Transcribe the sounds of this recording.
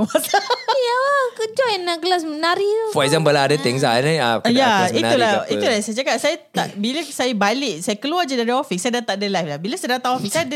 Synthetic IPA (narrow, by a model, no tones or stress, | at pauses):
matajakəd͡ʒɔjanãkəlas̬mənaɾifɔɛzambəlaadat̪iŋza̰naajaiulait̪ulasajad͡ʒakasajat̪a̰ʔbilasajabalɪʔsajakəluad͡ʒadaɾiɔfisajadat̪aʔdəlajflahbilasadat̪aɔfisajad